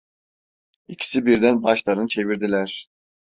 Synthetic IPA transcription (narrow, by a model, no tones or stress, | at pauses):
icʰi̥sibiɾd̪ænbɑʃlˠɑɾɯnt͡ʃʰe̞viɾd̪ilæɾ̥